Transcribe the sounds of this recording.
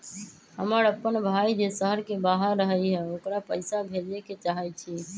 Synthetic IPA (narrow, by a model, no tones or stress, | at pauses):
həməɾəpːənbʱaid͡ʒesəɦəɾkebaɦəɾːəɦəiɦɛoːkɾapəɪsabʱeleket͡ʃaɦət͡ʃʰiː